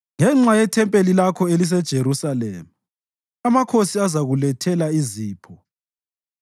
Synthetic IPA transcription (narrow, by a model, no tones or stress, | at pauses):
ŋɛŋ͡ǁajɛtʰɛmpʼelilakʰɔelis̬ɛd̥ʒ̥ʱeɾusalḛːmu | amakʰosiazaɣulɛtʰɛlaiziːpʰɔ